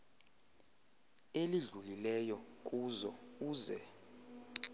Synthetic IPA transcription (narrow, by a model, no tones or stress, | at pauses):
eliɮulilɛjɔkʼuzɔuːzɛ